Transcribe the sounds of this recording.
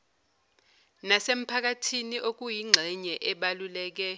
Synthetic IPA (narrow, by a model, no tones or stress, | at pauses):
nasem̩pʰak̬atʰiniʔok̬ujiŋ͡ǀʱɛɲɛʔɛɓalulɛːk̬ɛ